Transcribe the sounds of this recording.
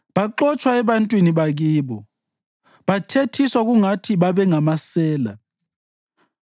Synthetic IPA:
ɓaǃɔt͡ʃʰʼwaɛɓantʼwiniɓak̬iːɓɔ | ɓatʰetʰiswak̬uŋatʰiɓaɓɛŋamasɛːla̰

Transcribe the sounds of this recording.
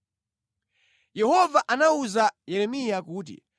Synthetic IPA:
jɛhɔvaʔanauzajɛɾɛmijakuːt̬ḭ

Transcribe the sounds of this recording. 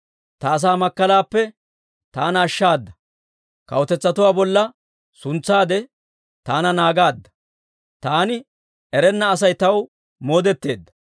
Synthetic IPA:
t̪ɐːs̬aːmɐkːɐlaːpːɛ | t̪aːnɐːʃːaːd̪ːɐ̥ | kɐ̰wt̪ɛt͡sːɐt̪ʊwaːbɔlːɐ | sʊnt͡sːaːd̪ɛ | t̪aːnɐnaːɡaːd̪ːɐ̥ | t̪aːnɪ | ɛɾɛnːɐːs̬ɐjt̪ɐw | mo̞ːd̪ɛt̪ːe̞ːd̪ːɐ̥

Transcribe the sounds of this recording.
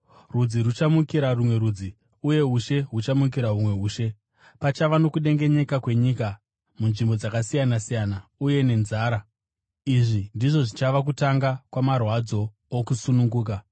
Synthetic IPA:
rud͡zirut͡ʃamukiɾarumwe̞ɾud͡zi | uje̞ɦuʃe̞ɦut͡ʃamuk̬iɾaɦumwe̞ɦuːʃe̞ | pat͡ʃaʋano̞kuɗe̞ŋɡe̞ɲe̞kakwe̞ɲika | munʐimbo̞d͡zakasijanasijanauje̞ne̞nzaːɾa | iʐindiʐo̞ʐit͡ʃaʋakutaŋɡakwamarwad͡zo̞ː | kusunuŋɡuːka

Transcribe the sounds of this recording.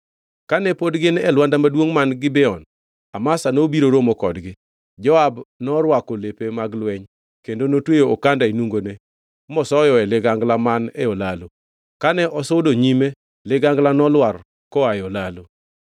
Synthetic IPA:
kanɛpodɡɪnɛlwandamadwoŋmanɡɪbɛɔn | amasanobiɾoɾomɔkɔdɡɪ | d͡ʒɔabnɔɾwakolepemaɡlwɛɲ | kendonotwejookandainuŋɡone | mɔsɔjɔɛlɪɡaŋɡlamanɛɔlalo | kanɛʔɔsodoɲime | lɪɡaŋɡlanɔlwar | kɔajɔlalo

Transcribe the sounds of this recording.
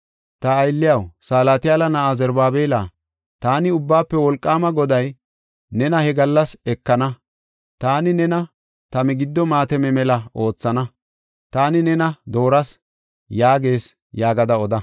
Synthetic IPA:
t̪ɐːjlːɪjɐwsaːlaːt̪ɪjaːlɐnɐazɛɾbaːbeːlaː | t̪aːnɪʊbːaːpːɛwɔlkʼːaːmɐɡɔd̪ɐj | nɛnɐhɛɡɐlːɐsɛkːɐnɐ | t̪aːnɪnɛnɐ | t̪ɐmɛɡɪd̪ːɔmaːt̪ɛmɛmɛlɐo̞ːt͡sːɐnɐ | t̪aːnɪnɛnɐd̪o̞ːɾɐs | jaːɡe̞ːs | jaːɡɐd̪ɐɔd̪ɐ

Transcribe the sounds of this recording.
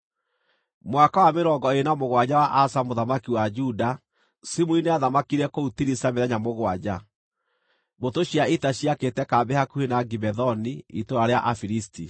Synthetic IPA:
mwakawameɾɔɡɔenamoɣwad͡ʑawaʔasamoðamakiwad͡ʒuda | simuineaðamakiɾɛkoutiɾisameðɛɲamoɣwad͡ʑa | motoɕiaitaɕiaketɛkaːbɛhakuhenaɡibɛðɔniḭtoɾaɾeaʔafiɾisti

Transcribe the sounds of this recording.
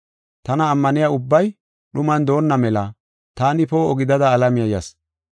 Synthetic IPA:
t̪ɐnɐːmːɐnɪjaʊbːɐj | ɗʊmɐnd̪o̞ːnːɐmɛlɐ | t̪aːnɪpoːɔɡɪd̪ɐd̪ɐːlɐmɪjɐjɐs

